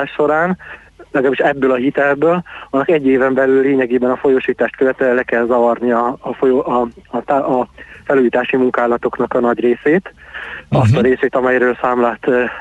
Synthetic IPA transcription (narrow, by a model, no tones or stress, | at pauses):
aːʃʃo̞ɾaːn | lɛɡlaːbiʃɛbːøːlɒɦit̪ɛlbøːlɒnːɒkɛɟːeːvɛmbɛlylːeːɲɛɡeːbɛnɒfo̞joʃiːt̪aːʃt̪køvɛt̪ɛɛlɛkɛlzɒvɒrniɒːfojot̪aːfɛluːjiːt̪aːʃimuŋkaːlɒt̪o̞knɒkɒnɒɟreːseːt̪ɒst̪ɒɾeːseːt̪ɒmɛjɾøːlsaːmlaːt̪ː